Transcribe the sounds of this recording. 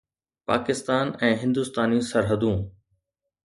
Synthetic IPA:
pa̰ːkɪst̪aːnɛ̃ːɦɪ̃nd̪ʊst̪aːnisɐɾɦəd̪ũː

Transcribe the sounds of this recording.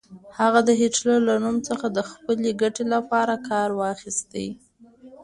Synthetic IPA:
haɣad̪əɦɪʈlaɾlanumt͡səxad̪əxpəleɡaʈelapɑɾakɑɾwɑxist̪ḛ

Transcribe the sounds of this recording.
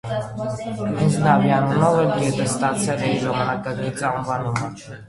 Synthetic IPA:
int͡snɑvjɑnunɔvɛlɡɛt̪ʰɛst̪ɑt͡sʰɛlɛiʒɑmɑnɑkɑɡit͡sɑɱvɑnumə

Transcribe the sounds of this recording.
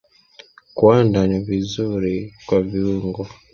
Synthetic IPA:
kwandanivizuɾikwaviuŋɡɔ

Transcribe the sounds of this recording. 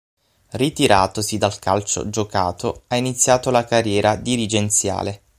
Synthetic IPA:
rit̪iɾaːt̪osid̪alkalt͡ʃo̰d͡ʒoka̰ːt̪oainit̪sːjaːt̪olakarːjɛːɾad̪iɾid͡ʒent̪sja̰ːle

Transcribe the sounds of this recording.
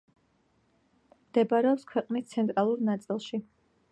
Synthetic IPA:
md̪̥ɛbaɾɛɔpskʰwɛqʼnist̪sʰɛnt̪ʼɾalˠuɾnat̪sʼilˠʃi

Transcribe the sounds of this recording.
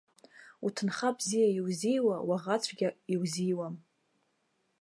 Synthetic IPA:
utʰɨnχabzijaiwzijwawaʁat͡sʷʰɡʲaiwzijwam

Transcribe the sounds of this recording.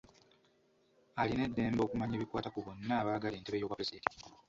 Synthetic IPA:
aline̞dːe̞ːmbo̞ːkumaɲeːβikwaːtakuβonːaːβaːɡaleːnteβe̞jo̞ːβwapɾezideːnti̥

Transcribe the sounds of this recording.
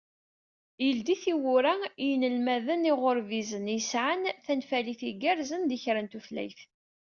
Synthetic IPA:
jəld̪iθiwʊɾajnəlmæðəniʁoɾvizənjəsʕanθænfæliθiɡæɾzənd̪içɾənt̪uθlæ̰jθ

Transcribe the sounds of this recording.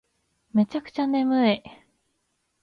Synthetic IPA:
me̞t͡ɕakɯ̟̥t͡ɕane̞mɯ̟e

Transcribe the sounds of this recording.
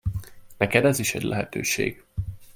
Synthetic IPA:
nɛkɛd̪ɛziʃɛ̰ɟlʔɛɦɛt̪øːʃḛːɡ̥

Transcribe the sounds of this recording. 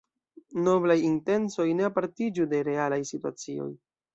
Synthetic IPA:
no̞blajinte̞nso̞jne̞apaɾtid͡ʒude̞ɾe̞alajsitua̰t͡sio̞̰j

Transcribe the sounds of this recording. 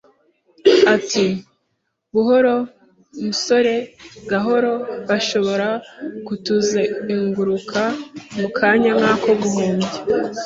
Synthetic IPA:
ati | βuɦo̞ɾo̞ | muso̞ɾe̞ɡaɦo̞ɾo̞βaʃo̞βo̞ɾakutuzeiŋɡuɾukʰamukʰaːɲaŋhaːko̞βuhuːmɟe

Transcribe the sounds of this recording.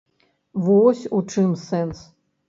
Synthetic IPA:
vɔsʲut͡ʂɨmsɛns

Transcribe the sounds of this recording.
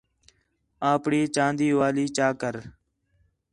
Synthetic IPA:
ãːpɳiːt͡ʃãːnd̪iːʋaːliːt͡ʃaːkəɾ

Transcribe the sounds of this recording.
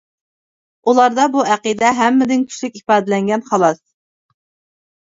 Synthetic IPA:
ulˠɑɾd̪ɑbuæqid̪ɛɦɛmːɪd̪ɪnkʲʰy̥ʃlykʲipɑːd̪ɪlɛŋɡʲɛnχɑlˠɑs

